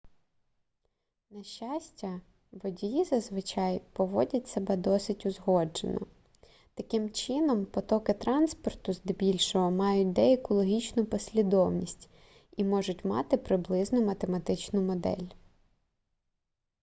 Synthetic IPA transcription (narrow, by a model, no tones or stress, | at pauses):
nɐʃt͡ʃːɑsʲtʲɐ | ʋɔdʲjizɐzʋɪt͡ʃɑjpɔʋɔdʲɐt̚ʲsebɛd̪ɔsɪtʲʊzɦɔd͡ʒḛnɔ̰ | t̪ɐkɪmt͡ʃɪnɔmpɔt̪ɔkɪt̪ɾɑnspɔrt̪ʊzd̪bʲilʲʃɔɦɔmɑjʊt̚ʲd̪ɛekɔlˠɔɦʲit͡ʃnʊpɔsʲlʲid̪ɔwnʲisʲtʲ | imɔʒʊtʲmɑ̰t̪ɪpɾɪblˠɪznʊmɐt̪emɐt̪ɪt͡ʃnʊmɔd̪ɛ̰lʲ